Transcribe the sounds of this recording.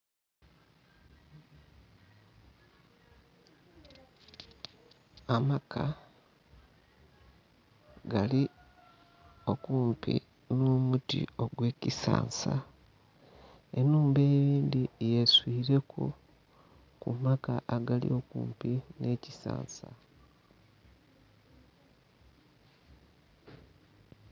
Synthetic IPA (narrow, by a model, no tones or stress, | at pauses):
amakʰa | ɡali | o̞kuːmpḭ | nomutḭo̞ɡwe̞ːcisa̰ːnsa | e̞̰nuːmbe̞ːβiːndijeswiːɾe̞kʰo̰ | kṵmakaʔaɡalḭo̞kṵːmpine̞ːcisa̰ːnsa̰